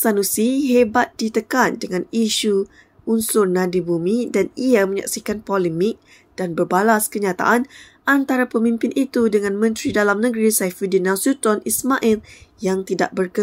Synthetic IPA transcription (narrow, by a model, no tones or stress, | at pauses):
sanusiɦebat̪̚dit̪əkandəŋãniʃu | unsʊrnãdibumidaniamə̃ɲa̰k̚sikanpɔlɛmɪk̚ | d̥anbərbalaskəɲat̪a̰ʔan | ʔant̪aɾapəmĩmpɪnʔit̪udəŋãnmə̃nt̪ɾidalamnəɡɾisajfidinãsut̪ɔnismaʔiljaŋt̪idaʔ̚bərkə